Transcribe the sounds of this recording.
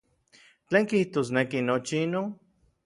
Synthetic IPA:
t͡ɬeːŋkiht̪oːs̬nekinot͡ʃiinon

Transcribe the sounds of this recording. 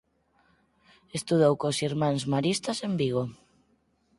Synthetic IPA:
est̪uð̞owkosiɾmãŋzmaɾist̪asembiɣ̞o

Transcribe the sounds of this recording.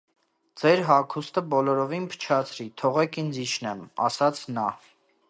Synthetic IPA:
d͡zɛɾɦɑkʰust̪əbɔlɔɾɔvinpʰə̥t͡ʃʰɑt͡sʰɾit̪ʰɔʁɛkind͡ziʃnɛmɑ̰sɑt͡sʰnɑ

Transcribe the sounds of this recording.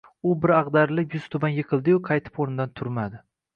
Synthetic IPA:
ʊbɪɾɑʁd̪aɾlɪpjʊz̥t̪ʰʊbanjɪqʰɨlˠd̪ɪjʊqʰɑjt̪ʰɪ̥poɾnɪd̪ant̪ʰʊɾmad̪ɪ

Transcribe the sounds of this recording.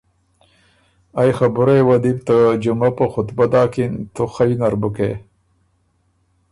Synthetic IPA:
ajxabʊɾejwad̪ib̚t̪əd͡ʒumapəxʊt̪bad̪ɑːkint̪uxajnaɾbukḛ

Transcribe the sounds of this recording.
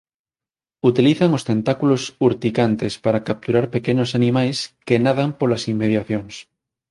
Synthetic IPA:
ut̪iliθaŋost̪ent̪akulosuɾt̪ikant̪espaɾakap̚t̪uɾaɾpekenosanimajskenaðampolasimːeðjaθjoŋs

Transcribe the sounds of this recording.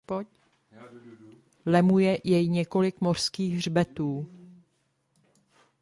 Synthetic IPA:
lɛmujɛjɛjɲɛko̞lɪkmo̞r̥skiːxr̝bɛt̪uː

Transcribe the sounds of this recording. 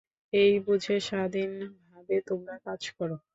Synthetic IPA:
ejbod͡ʑʱeʃaɾad̪inbʱabet̪omɾakad͡ʑkɔɾo

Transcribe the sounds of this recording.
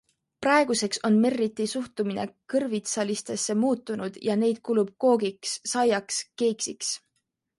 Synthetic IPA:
prɑe̞ɡ̥use̞kso̞nme̞rːit̪ːisuht̪umine̞̰kɤrvit̪sɑlist̪e̞sːe̞muːt̪ːˑunud̪̥jɑne̞jd̪̥̚kulub̥̚ko̞ːɡiksːɑjɑkske̞ːksiks

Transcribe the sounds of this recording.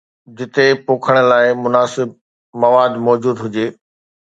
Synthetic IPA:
d͡ʑɪt̪epoːkʰəɽ̃ə̆laːɪmʊnaːsɪb̚ | mɐʋaːd̪mɔːd͡ʑuːd̪ɦʊd͡ʑeː

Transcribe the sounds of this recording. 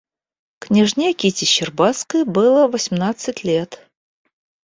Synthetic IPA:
knʲiʐnʲiɐkʲitʲɪɕɪrbat̪skəjbɨlˠəvəsʲmnat̪sɨtʲlʲet̪

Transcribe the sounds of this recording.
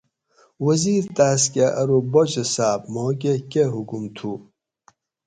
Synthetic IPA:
wɐziːɾt̪aːs̬kʲeʔɐɾobot͡ɕesaːbmoːk̬ekeɦukumt̪ʰu

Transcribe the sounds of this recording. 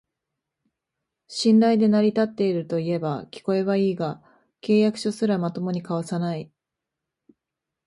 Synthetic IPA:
ɕĩndaid̪e̞naɾʲit̪at̪ːe̞iɾɯ̟t̪o̞ie̞bakʲi̥ko̞e̞βaiːɡa | ke̞ːjakɯ̟̥ɕo̞sɨɾamat̪o̞mo̞ɲ̟ikaβ̞asanai

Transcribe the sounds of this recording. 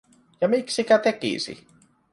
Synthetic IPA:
jɑmiksikæt̪e̞kḭsḭ

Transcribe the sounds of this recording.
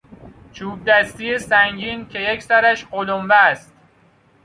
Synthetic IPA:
t͡ʃʰuːb̚d̪æst̪ijesæŋɟiːncʲʰe̞jekʰsæɾæʃɢolomvæst̪̚

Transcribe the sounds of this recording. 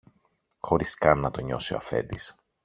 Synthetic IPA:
xo̞ɾiskɐnːɐt̪o̞ɲo̞sioɐ̰fe̞̰nd̪is

